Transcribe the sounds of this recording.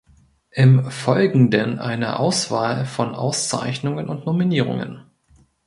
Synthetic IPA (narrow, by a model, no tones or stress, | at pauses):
ʔɪmfɔlɡŋ̩dənʔaɪnə̰ʔaʊsv̥aːlfɔnʔa̰ʊst͡sa̰ɪçnʊŋənʔʊntnominiːʁ̞ʊ̰ŋə̰n